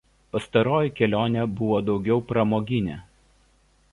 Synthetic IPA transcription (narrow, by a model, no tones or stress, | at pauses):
pɐst̪ɐɾoːjɪkʲɛlʲoːnʲɛbʊʋoːd̪ɒʊɡʲɛʊpɾɐmoːɡʲɪnʲe